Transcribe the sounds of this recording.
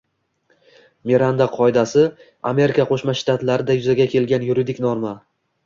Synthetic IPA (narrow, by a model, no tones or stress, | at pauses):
meɾand̪aqʰɒɪd̪asɪ | a̰me̞ɾɪkaqʰoʃmaʃt̪at̪laɾɪd̪ajʊzaɡʲakʲʰe̞lɡʲanjʊɾɪd̪ɪkʲnɒɾma